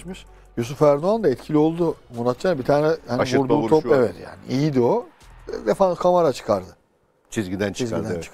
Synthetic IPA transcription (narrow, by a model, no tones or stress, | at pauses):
miʃ | jus̬ufæɾd̪uand̪aɛt̪cʰilʲio̞lˠd̪umunat̪̚t͡ʃʰanbit̪ʰaːnɛhanvuɾd̪uːt̪ʰopevɛt̪ja̰ːnḭʔijid̪io | vɛfankʰamaɾat͡ʃʰɯ̥kʰaɾd̪ɯ | t͡ʃʰizɡid̪ænt͡ʃʰizɡid̪ænt͡ʃʰɯ̥k